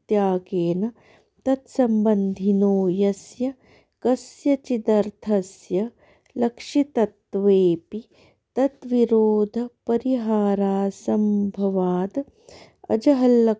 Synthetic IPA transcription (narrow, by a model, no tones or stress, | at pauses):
t̪jaːɡeːnɐ | t̪ɐt̪sɐmbɐnd̪ʱinoːjɐsjɐ | kɐsjɐt͡ʃit̪ɐɾt̪ʰɐsjɐ | lɐkʂit̪ɐt̪ʋeːpi | t̪ɐt̪ʋiɾoːd̪ʱɐpɐɾiɦaːɾaːsɐmbʱɐʋaːd̪ | ɐ̰d͡ʒɐɦɐlːɐ